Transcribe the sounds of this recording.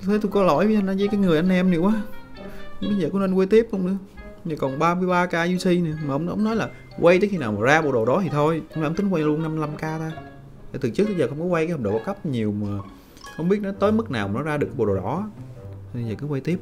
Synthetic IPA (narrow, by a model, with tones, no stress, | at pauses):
t̪t̪ʰe˨˦t̪u˧kɔ˨˦lɔ̰˧˩jvə˨˦ʔa˧na˨˦zəː˨˦jkaː˨˦jŋɨ˨˩əʔa˧ŋ̟ʔɛ˧mnɨ˨˩əwaː˨˦˨ | ɓə˨˧˦zəː˨˩kɔ˨˦ne˧nwe˧jt̪i˦˥əp̚hə˧wŋ͡mɗɨ̰˧˦ə | ɲa˨˩kɔ˨˩nɓaː˧mɨ˧əjɓaː˧kaː˧zi˧si˧nɨ˨˩maː˨˩ʔə˧wŋ͡mə̰˧˦wŋ͡mnɔ˨˦jlaː˨˩ | wa˧jt̪əː˨˦xi˧naː˨˩wmaː˨˩zaː˧ɓo˨˩ɗo˨˩ɗɔ˨˦t̪ʰi˨˩t̪ʰo˧jma˨˧˨ŋ͡mt̪ï˨˦ŋkwa˧jlu˧ənːa˧m˧la˧mkaː˧t̪aː˧ | t̪a˨˩t̪ɨ˨˩t͡ɕɨ˦˥k̪̚ʰːə˧jzəː˨˩xə˧wŋ͡mkɔ˨˦kwa˧ja˨˦jhk͡pɗo̰˨˩ɔ˨˦kə˦˥p̚ɲi˨˩əwmaː˨˩ | hə˧wŋ͡mɓi˦˥ət̚nɔ˨˦t̪əː˨˦jmɨ˦˥k̚naː˨˩waː˨˩nɔ˨˦zaː˧ɨ˨˩k̚ːɓo˨˩ɗo˨˩ɗɔ̰˨˦˨ | zəː˨˩kɨ˨˦wa˧jt̪i˦˥əp̚